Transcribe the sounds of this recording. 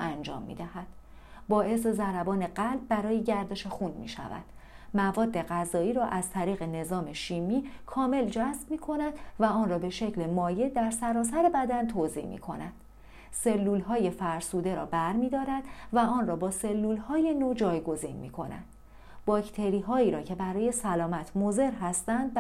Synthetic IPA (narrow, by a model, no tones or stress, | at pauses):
ænd͡ʒɒ̰ːmːḭːd̪æhæd̪̥ | bɒːʔe̞s̬e̞zæɾæbɒːne̞ɢælb̚ːæɾɒːje̞ɟæɾd̪e̞ʃexunmḭːʃæ̰væ̰d̪̥ | mævɒːd̪ːe̞ɣæzɒːiːɾɒːʔæzt̪ʰæɾiːɣe̞ne̞zɒːme̞ʃiːmiːkʰɒːme̞ld͡ʒæsb̥miːkʰo̞næd̪væɒːnrɒːbe̞ʃe̞cʰle̞mɒːje̞d̪æɾsæɾɒːsæɾebæd̪ænt̪ʰozḭhmḭkʰo̞̰næd̪̥ | se̞lːuːlɦɒːje̞fæɾsuːd̪e̞ɾɒ̰ːbæɾmiːd̪ɒːɾæd̪̥væɒːnrɒːbɒːse̞lːuːlhɒːje̞nod͡ʒɒːjɡo̞zḭnmḭːkʰo̞̰næ̰nd̪̥ | bɒːcʰt̪ʰe̞ɾiːɦɒːiːɾɒːcʰe̞bæɾɒːje̞sælɒːmæt̪ʰmoze̞ɾɦæst̪ænd̪̚